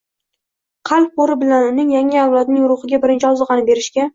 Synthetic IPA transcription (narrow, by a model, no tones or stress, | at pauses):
qʰɑlˠq̚oɾɪbɪlanʊnɪŋjaŋɪawlˠɒd̪̚nɪŋʊɾʊχɪɡʲabɪɾɪnt͡ʃʰɪɒzɨqɑnɪbe̞ɾɪʃkʲa